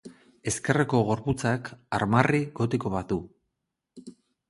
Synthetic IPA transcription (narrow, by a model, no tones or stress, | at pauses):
e̞ske̞reko̞ɣ̞o̞ɾput͡sakaɾmariɣo̞t̪iko̞βaðu